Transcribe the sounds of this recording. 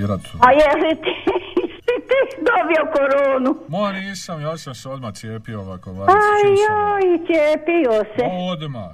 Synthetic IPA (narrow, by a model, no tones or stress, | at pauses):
ɾat̪ajɛsit̪isit̪id̪obiokoɾoːnumojniːsamjosamseod̪masijeːpioʋakoʋaajoit͡s̪jeːpijoseod̪ma